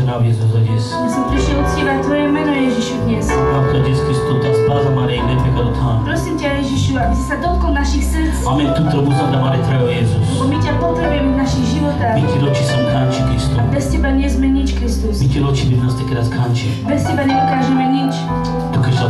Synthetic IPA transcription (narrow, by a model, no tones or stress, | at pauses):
navjɛzuzaɟɛsmisɛpɾiʃɛut̪scʲivac̚t̪vojɛmɛnɔjɛʒiʃud̪ɲɛsat̪t̪ɔdʲɛsk̪ɾist̪ot̪ɛspazamaɾinɛpɛkad̪ot̪ʰanpɾɔsimcɛjɛʒiʃuabisi̥sad̪ɔt̪̚kɔlnaʃixs | t͡samɛnt̪ut̪ɾomuzãd̪ɾamaɾɛt̪ɾaɡjɛzusbɔmicapot̪ɾɛbujɛmɛvnaʃiɣʒivɔt̪axmit̪ʲiɾot͡ʃisɛmkʰant͡ʃikɾist̪uabɛst̪ɛbaɲɛzmɛɲit͡ʃkɾist̪usmitʲiɾot͡ʃibiznast̪ɛkiɾaskʰãnt͡ʃi | bɛst̪ɛbaɲɛd̪ɔkaːʒɛmɛɲit͡ʃ | t̪ukaʃsa